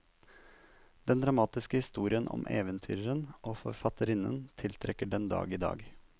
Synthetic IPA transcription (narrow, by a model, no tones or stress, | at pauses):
d̪̥ɛnd̪ɾɑmɑːt̪ɪskəhɪst̪uːɾɪənʔɔ̰mʔeːʋənt̪ʰy̰ːɾɾənʔoːfɔ̰ɾfɑt̪əɾɪnə̰nt̪ʰɪlt̪ʰɾɛkːəɖɛnd̪ɑ̰ːɡiːd̪ɑ̰ːɡ